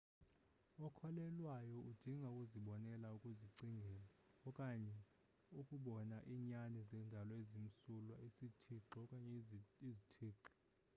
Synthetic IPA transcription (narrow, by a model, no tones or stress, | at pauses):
ɔkʰɔlɛlwajɔʔud̥ʱiŋɡʱaukʼuziɓɔnɛlaukʼuziǀiŋɡʱɛːlaɔkʼaɲɛ | ukʼuɓɔnaʔiːɲanizɛndʱalɔezim̩sulwaisitʰiǃɛɔkʼaɲɛizitʰiːǁi̥